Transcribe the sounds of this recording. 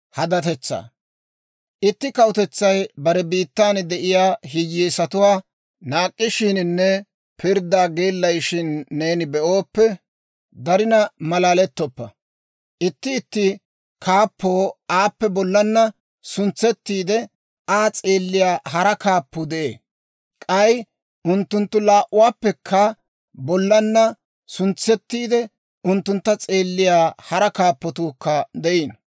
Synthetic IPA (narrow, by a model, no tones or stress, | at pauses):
hɐd̪ɐt̪ɛt͡sːa̰ː | ʔɪt̪ːɪkɐwʊt̪ɛt͡sːɐjbɐɾɛbiːt̪ːaːnd̪ɛʔɪjaːɦɪjɛːsɐt̪ʊwaː | naːkʼːɪʃɪnɪnːɛ | pɪɾd̪aːɡeːlːɐjʃɪnːeːnɪbɛʔoːpːɛ | d̪ɐɾɪnɐmɐlaːlɛt̪ːɔpːɐ̰ | ʔɪt̪ːɪːt̪ːɪ | kʰaːpːoːaːpːɛbɔlːɐnːɐ | sʊnt͡sːɛt̪ːiːd̪ɛ | aːt͡sʼeːlːɪjaːɦɐɾɐkaːpːʊd̪ɛʔeː | kʼɐj | ʊnt̪ːʊnt̪ːʊlaːʔʊwaːpːɛkʰːɐ | bɔlːɐnːɐ | sʊnt͡sːɛt̪ːiːd̪ɛ | ʊnt̪ːʊnt̪ːɐt͡sʼe̞ːlːɪjaːhɐɾɐkaːpːɔt̪uːkːɐd̪ɛʔiːn